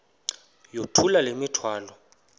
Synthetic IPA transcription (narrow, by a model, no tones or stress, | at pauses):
jotʰulalemitʰwaːlɔ